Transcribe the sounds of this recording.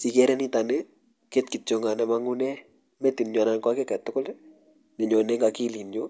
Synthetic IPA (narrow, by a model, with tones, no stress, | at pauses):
si˨kɛ˦ɾɛ˦ni˦ta˨nɛ | ke˦tkɪ˨t͡ʃo˨ŋa˨nɛ˨ma˦ŋʊ˦nɛ˦ | mɛ˦ti˨nɲwa˨na˨nkwa˦kɛ˦kɛ˨tːʊ˦kʊ˦l | nɛ˨ɲɔ˨nɛ˦ŋɡa˨ki˦li˨nd͡ʒo˦